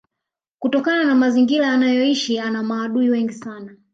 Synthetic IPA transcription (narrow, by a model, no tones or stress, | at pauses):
kutɔkananamaziŋɡiɾaanajɔiʃianamaːɗuiwɛŋɡisana